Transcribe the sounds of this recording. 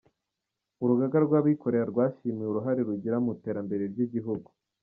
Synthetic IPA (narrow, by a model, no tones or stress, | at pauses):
uɾuɡaɡaɾɡwaːβiːko̞ɾe̞ɾaɾɡwaːʃimiuɾuɦaɾeɾuɟiɾamute̞ːɾambe̞ɾe̞ɾɟiɟiɦuɡu